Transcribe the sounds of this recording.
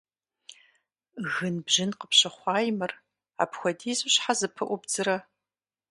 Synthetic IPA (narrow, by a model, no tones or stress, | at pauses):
ɣɨnbʑɪnqəpɕɐχʷɑːjmɨr | a̰ːpxʷɔdiːzuɕħazɨpʰɨʔʷʊbd͡zɨɾɐ